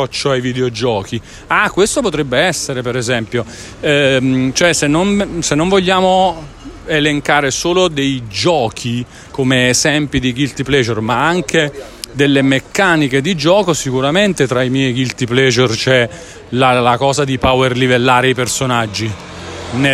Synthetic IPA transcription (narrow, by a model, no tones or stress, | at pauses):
ɔt͡ʃːoajvid̪eod͡ʒɔːki | akːwest̪opot̪ɾɛbːeɛsːeɾepeɾezɛmpjo | t͡ʃoɛsenːonsenːoɱvoʎːaːmo | eleŋkaːɾesoːlod̪ejd͡ʒɔːkʰi | komeːzɛmpid̪iɡilt̪iplɛd͡ʒermaaŋke | d̪elːemekːaːnik̟ed̪id͡ʒɔːkosikuɾament̪et̪ɾaimjɛjɡilt̪iplɛd͡ʒert͡ʃɛ | lalakɔːzad̪ipawerlivelːaːɾeipersonad͡ʒːi | ne